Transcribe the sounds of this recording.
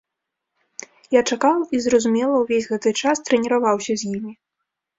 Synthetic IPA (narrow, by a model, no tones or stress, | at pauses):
jat͡ʂakawizɾɐzumʲɛlˠɐwvʲezʲɣɛt̪ɨt͡ʂast̪ɾɛnʲiɾavawsʲɐzʲjimʲi